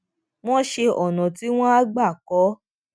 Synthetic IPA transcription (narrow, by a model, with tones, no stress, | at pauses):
w̃ɔ̃˦ʃe˧ʔɔ˨nã˨ti˨˦w̃ɔ̃˦a˦ɡ͡ba˦˨kɔ˨˦